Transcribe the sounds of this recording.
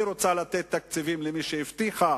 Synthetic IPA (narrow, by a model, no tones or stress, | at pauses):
ɾo̞t͡salat̪et̪ːak̚t͡sivimlemiʃeivt̪iχa